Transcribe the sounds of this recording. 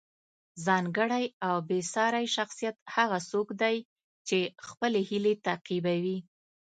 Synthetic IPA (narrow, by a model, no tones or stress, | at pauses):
zɑŋɡəɽajawbesɑɾajʃaxsijat̪haɣasokd̪aj | t͡ʃexpəlehilet̪aqibawi